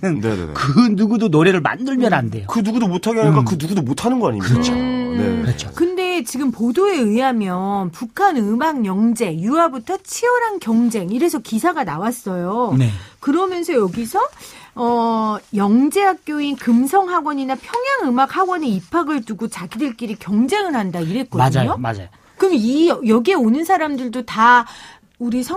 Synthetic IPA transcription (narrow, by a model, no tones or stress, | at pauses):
nɯnnḛkɯnuɡudonoɾe̞ɾɯɭma̰ndɯɭmjʌnande̞jokɯnuɡudomotʰaɡeank͈akɯnuɡudomotʰanɯnɡʌaɲḭmʌt͡ɕʰonekʌt͡ɕʰokɯnde̞t͡ɕiɡɯmpodoe̞ɯɦamjʌnpukʰanɯmaŋjʌŋd͡ʑe̞juwabutʰʌt͡ɕʰiʌɾankjʌŋd͡ʑe̞ŋiɾe̞sʰʌkisʰaɡanawas͈ʌjonekɯɾʌmjʌnsʰʌjʌɡisʰʌʌjʌŋd͡ʑe̞ɦak̚k͈joinkɯmsʰʌŋɦaɡwʌɲinapʰjʌŋjaŋɯmak̚haɡwʌneipʰaɡɯɭtuɡot͡ɕaɡidɯɭk͈iɾikjʌŋd͡ʑe̞ŋɯɭɦandaiɾe̞t̚k͈ʌdɯɲoa̰ | kɯmiʌjʌɡieonɯnsʰaɾamdɯɭdota | uɾisʰ